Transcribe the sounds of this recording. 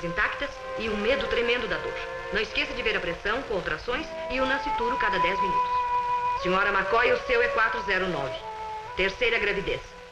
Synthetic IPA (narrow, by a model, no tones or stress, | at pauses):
zĩnt̪ak̚t̪ɐs | ɪʊmed̪ʊt̪ɾemẽnd̪ʊd̪ɐad̪o̰ɾ | nɐ̃w̃ɪskesɐd͡ʒɪveɾɐpɾesɐ̃w̃kõawt̪ɾasõj̃s | ɪʊnɐ̃sɪt̪uɾʊkad̪ɐd̪ɛzmĩnut̪ʊ̥ssĩɲɔɾɐmakɔjʊsewɛkwat̪ɾʊzɛɾʊnɔvɪ | t̪eɾsejɾɐɡɾavid̪es